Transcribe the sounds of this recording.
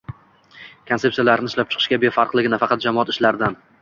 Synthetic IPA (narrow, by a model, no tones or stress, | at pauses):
kʰone̞p̪sijalaɾnɪʃlap̚t͡ʃʰɨ̥qʰɨ̥ʃkʲabefɑɾqlˠɪɡʲɪnafɑqɑt̪̚d͡ʒamɒɒɑt̪ɪʃlaɾd̪an